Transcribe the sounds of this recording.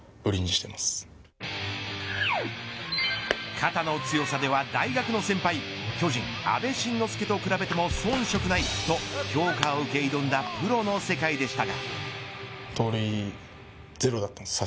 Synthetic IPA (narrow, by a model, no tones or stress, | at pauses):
ɯ̟ɾʲiɲiɕi̥t̪e̞masɨ̥ | kʰat̪ano̞t͡sɨjo̞sad̪e̞βad̪aiɡakɯ̟no̞sẽ̞mpai | kʲo̞ʑĩŋ | a̰be̞ɕĩnːo̞sɨ̥ke̞t̪o̞kɯ̟ɾabe̞t̪e̞mo̞sõ̞ɰ̃ɕo̞kɯ̟nait̪o̞kʲo̞ːkaoɯ̟ke̞id̪õnd̪apɯ̟ɾo̞no̞se̞kaid̪e̞ɕi̥t̪aɡa | t̪oːɾʲi | ze̞ɾo̞d̪at̪ːansa